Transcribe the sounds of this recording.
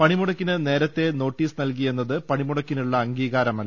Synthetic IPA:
pɐɳimuɽɐkːinɨne̞ːɾɐt̪ːe̞no̞ːʈːiːsɨnɐlkije̞nːɐðɨpɐɳimuɽɐkːinuɭːɐːŋɡiːɣaːɾɐmɐlː

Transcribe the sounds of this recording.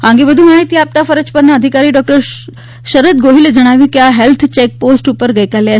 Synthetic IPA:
ɦãŋɡebəd̪ʱumaːɦit̪iaːp̚t̪afɐɾət͡ʃpəɾnaəd̪ʱikaːɾiːɖɔk̚ʈəɾ | ʃəɾət̪̚ɡoːɦiled͡ʒɐɽ̃aːʋjũkjaɦelt̪ʰt͡ʃek̚poːsʈupəɾɡɐjkale

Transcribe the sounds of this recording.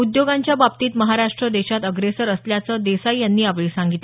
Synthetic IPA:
ud̪joɡãɲt͡ɕjababt̪iːt̪məɦaɾaʂʈɾəd̪eɕat̪əɡɾesəɾəsljat͡səːd̪esajjːanːiːaʋɭeːsãŋɡit̪le

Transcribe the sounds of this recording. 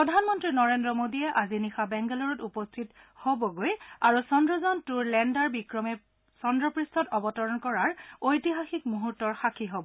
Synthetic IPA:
pɹɔdʱanmɔntɹinɔɹendɹɔmodiɛʔazinixabɛŋɡɛlɔɹɔtupɔstʰit | hobɔɡojaɹusɔndɹɔzɔntuɹlɛndaɹbikɹɔmɛ | sɔndɹɔpɹistʰɔtɔbɔtɔɹɔnkɔɹaɹojtiɦaxik̚muɦutːɔɹxakʰiɦobɔ

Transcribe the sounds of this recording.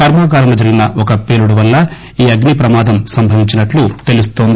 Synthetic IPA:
kɐɾmaːɡaːɾɐmlɐd͡ʒɐɾiɡinɐɔkɐpe̞ːluɽuʋɐlːɐ | iːɐɡnipɾɐmaːd̪ɐmsɐmbʱɐʋiɲt͡ʃinɐʈlut̪e̞lust̪oːnd̪i

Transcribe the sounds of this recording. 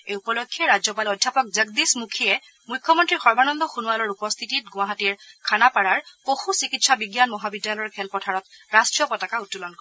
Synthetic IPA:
ejupɔlokʰːiɛɹazɔpalɔdʱːjapɔk̚zəɡ̚dismukʰiɛ | mujkʰːɔmɔntɹixɔɹbanɔnd̪ɔxunualɔɹupɔst̪ʰititɡʊ̃aɦatiɹkʰanapaɹaɹpoxusikitsabiɡjanmɔɦabidːjalɔjɔɹkʰɛlpɔtʰaɹɔtɹastɹijɔpɔtakautːulɔnkɔ

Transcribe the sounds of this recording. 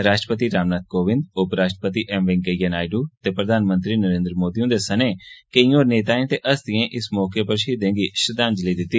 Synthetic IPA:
ɾaːʃʈɾəpət̪iːɾaːmnaːt̪̚koːʋɪ̃nd̪ʊpɾaːʃʈəpət̪iːʔɛmʋɪ̃ŋkəjənaːɪɖuːt̪eːpɾəd̪ʱaːnmə̃nt̪ɾiːnəɾẽːnd̪ɾəmoːd̪iːũːd̪eːsəneːkəĩːoːɾneːt̪aːẽːt̪eːʔəsd̪ɪẽːʔɪsmɔːkeːpəɾʃiːd̪ẽːɡiːʃɾəd̪aːnd͡ʒələiːd̪ɪt̪ːiː

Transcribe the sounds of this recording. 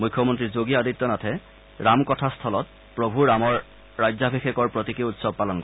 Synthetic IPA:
mukʰːɔmɔntɹizoɡiaditːɔnatʰɛ | ɹamkɔtʰastʰɔlɔt̚ | pɹobʱuɹamɔɹː | ajzabʱixekɔɹpɹotikiutsɔb̚palɔnkɔ

